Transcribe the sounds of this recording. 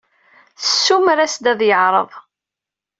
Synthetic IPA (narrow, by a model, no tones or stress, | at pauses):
θə̥sːumɾæsd̪æðjəʕɾˤə̰ðˤ